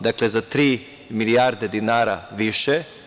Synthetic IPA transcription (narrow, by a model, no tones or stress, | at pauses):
d̪aklezat̪ɾiː | milijaɾd̪ed̪inaːɾaʋiʃɛ